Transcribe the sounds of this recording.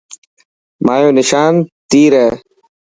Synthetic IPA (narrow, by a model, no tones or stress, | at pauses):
maːjõːnɪʃaːnt̪iːɾɐː